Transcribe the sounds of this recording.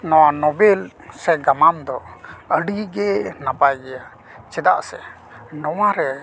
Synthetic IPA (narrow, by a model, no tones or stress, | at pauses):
nɔwanɔbɛl | sɛɡamamd̪ɔəɖiɡɛnapajɡɛja | t͡ʃɛd̪a̰ʔsɛ | nɔwaɾɛ